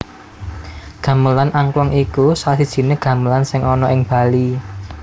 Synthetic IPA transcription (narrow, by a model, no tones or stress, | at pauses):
ɡ̥ä̤məlanaŋklɔŋikusasid̥ʒ̥i̤neɡ̥ä̤məlansɪŋɔnɔɪŋb̥a̤li